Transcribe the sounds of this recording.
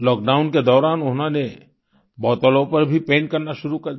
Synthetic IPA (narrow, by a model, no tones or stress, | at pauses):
lɔːk̚ɖaːʊnked̪ɔːɾaːnʊɦõne | bɔːt̪əlõpɐɾbʱipẽːɳʈ̚kɐɾnaʃʊɾukɐɾd̪